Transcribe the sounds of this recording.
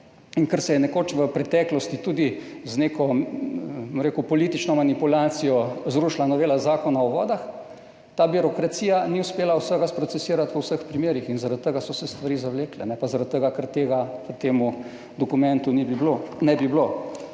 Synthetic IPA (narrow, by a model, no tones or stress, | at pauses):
iŋkəɾsɛjɛnɛkoːt͡ʃʋəpɾɛt̪ɛːklɔst̪it̪uːd̪i | zneːkɔ | mɾeːkupɔliːt̪it͡ʃnɔmanipulaːt̪sijɔzɾuʃlanɔʋeːlazaːkɔnaɔʋɔ̰ːd̪ax | t̪aːbiɾɔkɾat̪siːjaniuspeːlawsəɡaspɾɔt̪sɛsiːɾat̪ʋəwsəxpɾimeːɾixinzaɾat̪t̪ːəɡasɔsɛst̪ʋaɾiːzawleːklɛnɛpazaɾat̪̚t̪ːəɡakəɾt̪eːɡaʋət̪eːmu | d̪ɔkumɛ̃nt̪unibiblonɛbiblo